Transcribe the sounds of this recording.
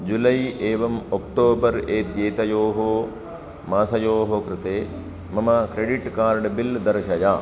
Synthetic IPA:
d͡ʒulɐjeːʋɐmokʈoːbɐɾeːd̪jeːt̪ɐjoːɦoː | maːsɐjoːɦokɾɪt̪eː | mɐmɐkɾeɖiʈkaːɾɖbild̪ɐɾʃɐjaː

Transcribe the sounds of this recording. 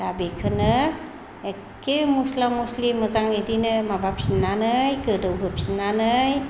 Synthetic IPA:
dabekʰɯnɯ | e | kemuslamuslimɯzaŋedinɯmabap̚sinːanɯjkɯdɯwɦɯp̚sinːanɯj

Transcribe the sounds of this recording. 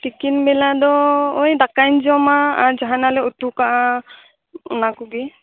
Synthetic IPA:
tikinbɛladɔojdakajnzɔmaa̰ɹzaɦanalɛotukaʔa | nakuɡi

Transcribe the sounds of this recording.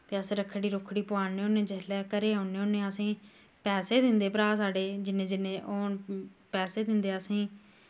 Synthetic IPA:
pəseːɾəkʰːɽiːɾʊkʰːɽiːpʊaːnẽːoːnẽːd͡ʒɛːlɛːkəɾeːoːneːoːnẽːəsĩː | pɛːseːd̪ɪ̃nd̪eːpɾaːsaːɖeːd͡ʒɪnẽːd͡ʒɪnẽːʔoːnpɛːseːd̪ɪ̃nd̪eːəsĩː

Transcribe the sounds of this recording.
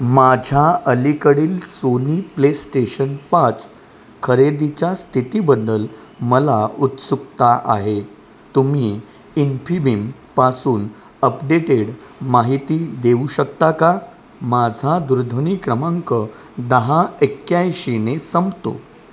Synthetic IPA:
mad͡ʑʱaəlikəɽiːlsoniplesʈeɕənpat͡s | kʰəɾed̪it͡ɕjast̪ʰit̪ibəd̪ːəl | məlaut̪suk̚t̪aʔaɦe | t̪umiː | infʰibim | pasuːn | əpɖeʈeɽmaɦit̪id̪euɕək̚t̪aka | mad͡zʱad̪uɾd̪ʱənikɾəmãŋkə | d̪əɦaekjajɕinesəmbt̪o̰

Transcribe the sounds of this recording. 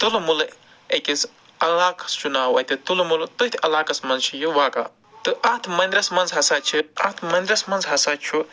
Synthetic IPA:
t̪ulmul | ekʲis | ɐlaːkɐ̥st͡ʃunaːwɐt̪ʰʲit̪ulmult̪ɨt̪ʰʲɐlaːkɐsmɐnzt͡ʃʰijuʋaːka̰ | t̪ɨʔɐt̪ʰmɐnd̪ɾɐsmɐnzɦɐsaːt͡ʃʰiat̪ʰmɐnd̪ɾɐsmɐnzɦɐsaːt͡ʃʰu

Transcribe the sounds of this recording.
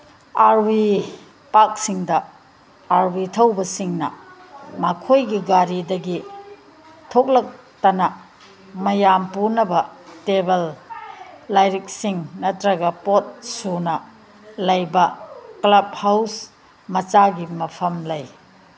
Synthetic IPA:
aɾwi | pak̚siŋdɐ | aɾwitʰɐwbɐsiŋnɐ̰mɐkʰojɡiɡaɾidɐɡi | tʰok̚lɐk̚ | tɐnɐ | mɐjampunɐbɐtebelː | ajɾik̚siŋnɐtɾɐɡɐpot̚sunɐ | lɐjbɐklɐb̚haws | mɐt͡ʃaɡimɐpʰɐmlɐj

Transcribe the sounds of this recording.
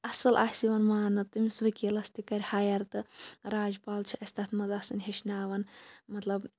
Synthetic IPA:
ɐsɨlʔaːsiʋɐnmaːnɨt̪ɨmʲisʋɐkʲiːlɐst̪ikɐɾʲhajɐɾt̪ɨɾaːd͡ʒpaːlt͡ʃʰiʔɐsʲt̪ɐt̪ʰmɐzasɨnɦeʃnaːʋɐnmɐt̪lɐb

